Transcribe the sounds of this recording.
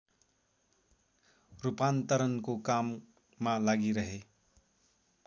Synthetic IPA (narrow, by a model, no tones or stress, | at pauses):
ɾupant̪əɾənkokamː | alaɡiɾʌɦe